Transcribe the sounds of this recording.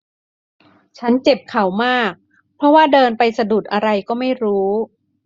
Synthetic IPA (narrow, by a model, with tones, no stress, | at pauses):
t͡ɕʰa˦˥nt͡ɕe˨˩p̚kʰa˨˩˦wmaː˥˩k̚ | pʰɾɔ˦˥waː˥˩dɤː˧npa˧jsa˧du˨˩t̪̚ʔa˧ɾa˧jkɔː˥˩ma˥˩jɾuː˦˥